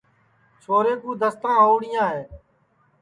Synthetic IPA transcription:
t͡ʃʰoːɾeːkũːd̪əst̪ãːɦoːɽɪjãːɦeː

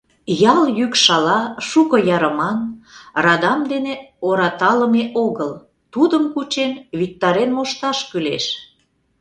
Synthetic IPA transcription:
jɑljykʃɑlɑʃukɤ̆jɑɾəmɑnrɑd̪ɑmd̪eneoɾɑt̪ɑləmeʔoɣəl | t̪ud̪əmkut͡ɕenβik̚t̪ɑɾenmoʃt̪ɑʃkylḛʃ

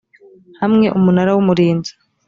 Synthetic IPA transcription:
hamŋe̞ʔumunaɾawumuɾiːnzḁ

